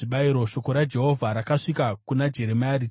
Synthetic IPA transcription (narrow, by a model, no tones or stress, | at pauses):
ʐiɓaiɾo̞ʃo̞ko̞ɾad͡ʒe̞ɦo̞vʱaɾakaʂikakunad͡ʒe̞ɾe̞maari